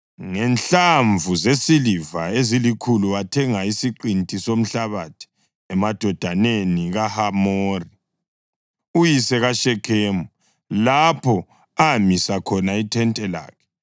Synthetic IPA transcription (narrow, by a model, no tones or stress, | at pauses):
ŋɛnɬaɱvʱuzesilivaezilikʰuluatʰɛŋaisiǃintʼisom̩ɬaβatʰi̥ | ɛmad̥ʱɔd̥ʱaneniɣahamoːri | ujisɛɣaʃɛkʰeːmu | lapʰɔ | amisakʰɔnaitʰɛntʼɛla̰ːkʰɛ̥